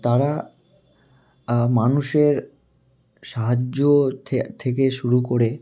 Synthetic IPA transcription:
t̪aɾa | manuʃeɾ | ʃaɦad͡ʑot̪ʰt̪ʰek̬eʃuɾukoɾe

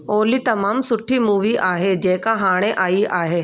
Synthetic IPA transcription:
oːlit̪ɐmaːmsʊʈʰːimuːʋiʔaːɦed͡ʒɛːkaɦaːɽ̃eʔaːiaːɦeː

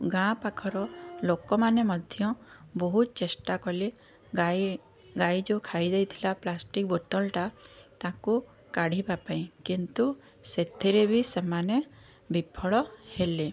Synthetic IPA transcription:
ɡãpakʰɔɾɔlokɔmanemɔd̪ʱjɔbɔɦut̪t͡ʃesʈakɔle | ɡajd͡ʒokʰajd̪ejt̪ʰilaplasʈik̚bot̪ɔlʈat̪aku | kaɽ̤ibapaĩkint̪u | set̪ʰiɾebʱisemane | bipʰɔɭɔhele

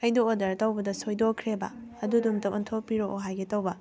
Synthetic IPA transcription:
ɐjdoodɐɾtɐwbɐdɐsojdokʰɾebɐ̰ɐdudumtɐwʔɔntʰopiɾoʔoɦajɡetɐwbɐ

